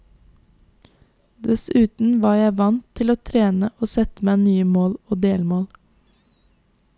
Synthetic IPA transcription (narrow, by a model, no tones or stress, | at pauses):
d̪ɛsʉːt̪n̩ʋɑːjæɪʋɑnt̪ʰːɪloːt̪ʰɾeːnəʔoːsɛt̪əmæɪnyːəmoːloːd̪eːlmoːl